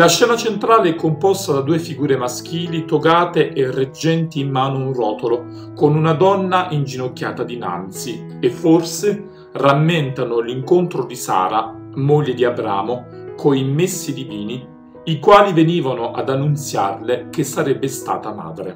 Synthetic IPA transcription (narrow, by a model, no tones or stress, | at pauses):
laʃːɛːnat͡ʃent̪ɾaːleɛkːompɔst̪ad̪ad̪uːefiɡuːɾemask̟iːlit̪oɡaːt̪eʔerːed͡ʒːɛnt̪iːmːaːnounrɔːt̪olo | konunad̪ɔnːaʔind͡ʒinokʲːjaːt̪ad̪ina̰nt̪si | efːorse | ramːɪnt̪anʊliŋkont̪ɾod̪isa̰ːɾa | moʎːed̪iabɾa̰ːmokʰoimesːid̪iviːni | ikwaːliveniːvanoʔa̰d̪anːunt̪sja̰rlek̟esːaɾɛbːest̪a̰ːt̪ama̰ːd̪ɾḛ